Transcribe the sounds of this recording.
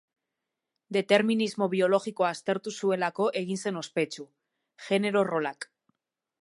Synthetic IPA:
d̪e̞t̪e̞ɾminizmo̞βio̞lo̞ɣiko̞ast̪e̞ɾt̪usue̞lako̞ʔe̞ɣ̞inse̞no̞spe̞t͡ʃu | ʝe̞ne̞ɾo̞ro̞lak

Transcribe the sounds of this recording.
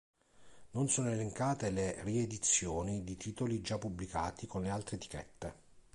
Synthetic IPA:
nonsoːnoeleŋkaːt̪eleried̪it̪sːjoːnid̪it̪ʰit̪olid͡ʒapːublikaːt̪ikonlealt̪ɾeet̪i̥kɛ̰t̪ːe

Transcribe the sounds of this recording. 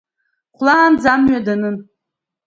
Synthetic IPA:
χʷlaːnd͡zamɥadanɨn

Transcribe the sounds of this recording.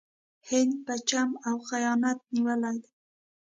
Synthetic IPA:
hɪnd̪̚pat͡ʃamawxajɑnat̪̚niwəlajd̪a

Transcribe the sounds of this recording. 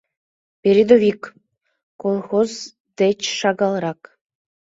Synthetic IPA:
pʲeɾʲid̪ovʲik | kolˠxoz | d̪et͡ɕʃɑɣɑlˠɾɑk

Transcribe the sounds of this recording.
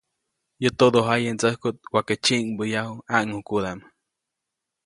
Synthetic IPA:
jɨt̪od̪oɦajent͡səhkut̪̚waket͡ʃiʔŋbəjahuaʔŋukud̪am

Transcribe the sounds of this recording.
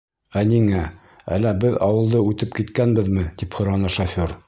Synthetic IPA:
æniŋæ | æ̰lːæbɘðɑ̰wɤ̆lˠd̪ɤʉt̪ɘpkit̪kænbɘðmɘt̪iphŏɾɑnɤʃɐfʲoɾ

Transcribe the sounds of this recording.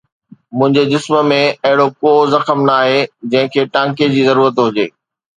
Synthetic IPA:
mʊ̃ɦɪ̃ɲd͡ʑed͡ʑɪsmə̆mẽɐɦɪɽokoːzɐxəmnaaːɦed͡ʑɐ̃ɦɪ̃kʰeːʈãːŋked͡ʑiːzɐɾuːɾət̪ɦʊd͡ʑeː

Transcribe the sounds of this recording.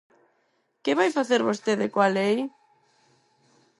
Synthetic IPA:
keβajfaθeɾβost̪eðɪkwalej

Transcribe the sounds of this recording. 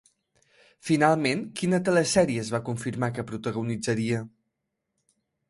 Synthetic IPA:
finalˠmenkinət̪ələsɛɾiəːzβakuɱfiɾmakəpɾut̪əɣunid͡zəɾiə

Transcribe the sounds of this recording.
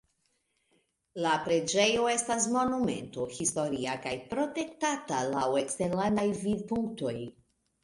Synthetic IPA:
lapɾe̞d͡ʒe̞jo̞e̞stas̬mo̞nume̞̰nto̞histo̞ɾiakajpɾo̞te̞ktatalawe̞kste̞ɾlandajvidpuŋkto̞j

